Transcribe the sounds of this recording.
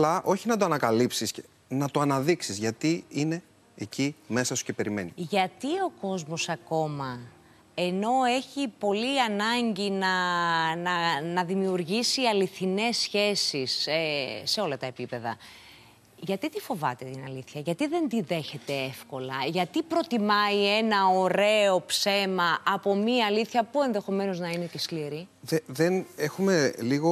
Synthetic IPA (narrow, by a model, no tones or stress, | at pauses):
lɐʔo̞çinɐt̪oɐnɐkɐlipsis | nɐt̪oɐnɐðiksizʝɐt̪iine̞ː | cime̞sɐsu̥ce̞pe̞ɾime̞̰niʝɐt̪io̞ko̞zmo̞sɐko̞mɐ | e̞no̞e̞çipo̞liɐnɐɲɟinɐnɐnɐðimiuɾʝisiɐliθine̞sçe̞sisesːe̞o̞lɐt̪ɐe̞pipe̞ðɐ̰ | ʝɐt̪it̪ifo̞vɐt̪e̞t̪inɐliθçɐʝɐt̪iðe̞nd̪iðe̞çe̞t̪e̞efko̞lɐʝɐt̪ipɾo̞t̪imɐie̞nɐo̞ɾe̞o̞pse̞mɐʔɐpo̞miɐːliθçɐpue̞nðe̞xo̞me̞no̞znɐine̞ceskliɾiðeðenexume̞liɣo